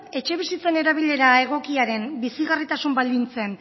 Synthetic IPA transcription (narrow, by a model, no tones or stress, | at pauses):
e̞t͡ʃe̞β̞isit͡se̞ne̞ɾaβ̞iʎe̞ɾae̞ɣ̞o̞kiaɾe̞mbisiɣarit̪asumbald̪int͡se̞n